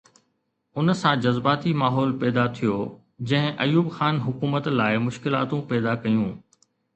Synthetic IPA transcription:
ʊnsãd͡ʑɐzbaːt̪imaːɦɔːlpɛːd̪at̪ʰijoː | d͡ʑɐ̃ɦɪ̃ʔɐjuːbxaːnɦʊkuːmət̪laːɪmʊʃkɪla̰ːt̪ũpɛːd̪akɐjũː

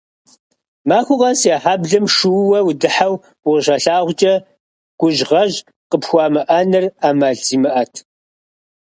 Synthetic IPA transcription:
maːxʷʊʁɐsaːħaːbɮɨmʂɨwwɐwdɨħaw | wʊʁʃɐɬaːʁʷt͡ʃʼɐ | ɡ̥ʷʊʒʁɐʒ | qəpxʷɑːmɨʔɐnɨraːmaːɮt͡siːmɨʔɐtʰ

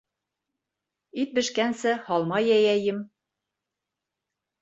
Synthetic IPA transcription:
it̪̚bɘ̆ʃkænsɘhɒlˠmɑjæjæjɘm

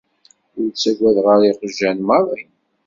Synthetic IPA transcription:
ʊɾt͡sːæɡʷæðʁəɾiqəʒːænmɑɾˤin

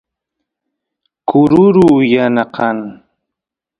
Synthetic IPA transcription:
kʊɾʊɾuːjanaqɑŋ

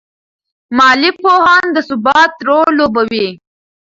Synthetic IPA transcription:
mɑːlipohɑnd̪əsʊbɑːt̪ɾolobawi

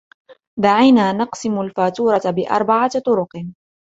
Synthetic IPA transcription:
d̪aʕijnaːnɑqsɪmʊlfaːt̪uːɾˤɑt̪bɪʔɑ̰ɾˤbaʕat̪ˤʊɾʊq

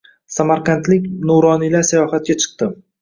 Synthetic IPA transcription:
samaɾqɑnt̪lɪkʲnoɾɒnilaɾsajɒhat̪̚ɡʲat͡ʃʰɨ̥qt̪ɪ

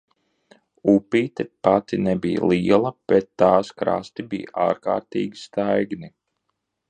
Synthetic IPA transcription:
upiːt̪ɛpat̪inɛbij̰lˠiɛlˠɐb̥ɛt̪ːaːskɾa̰st̪ibḭj̰ʔaːɾka̰ːɾt̪ḭːɡʲist̪ajɡni

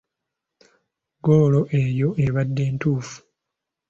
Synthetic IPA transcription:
ɡoːlo̞ʔe̞jo̞ʔeβadːe̞ːntuːfu̥

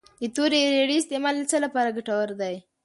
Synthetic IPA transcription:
ɪt̪oɾeɾeɽiɪst̪emɑllət͡səlapɑɾaɡaʈawəɾd̪aj

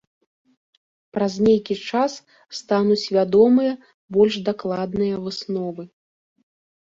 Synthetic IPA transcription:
pɾɐzʲnʲejkʲit͡ʂasː | t̪anut͡sʲvʲad̪ɔmɨjɐ | bɔlʲʂd̪aklˠad̪nɨjɐvɨsnɔvɨ

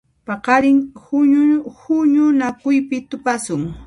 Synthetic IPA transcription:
pɑqɑɾɪŋ | hʊɲʊnakʊjpɪt̪ʊpasʊŋ

